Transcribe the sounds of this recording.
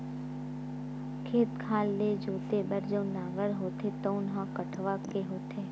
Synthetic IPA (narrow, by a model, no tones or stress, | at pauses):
kʰeːt̪kʰaːlːed͡ʒoːt̪ebɐɾd͡ʒə̃ʊnaːɡəɾɦoːt̪et̪oːnɦakɐʈʰʋakeɦoːt̪ʰeː